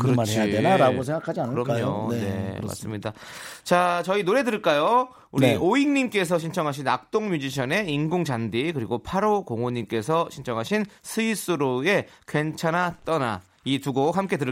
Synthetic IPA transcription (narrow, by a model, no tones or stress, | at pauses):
kɯɾʌt͡ɕaenaɾaɡosʰeŋɡakʰad͡ʑiankɯɯɾʌaɲone̞̰ma̰s͈ɯmɲida̰t͡ɕat͡ɕʌinoɾe̞dɯɾɯɭk͈ajo | uɾioiŋɲimk͈e̞s̬ʰʌɕʰint͡ɕʰʌŋɦaɕ̬ʰinak̚t͈oŋmud͡ʑiɕ̬ʰʌne̞inɡoŋd͡ʑandikɯɾiɡopʰaɾokoŋoɲimk͈e̞sʰʌɕʰint͡ɕʰʌŋɦaɕʰinsʰɯis͈ɯɾoe̞kwe̞nt͡ɕʰanat͈ʌna̰ | ituɡohamk͈e̞dɯɾ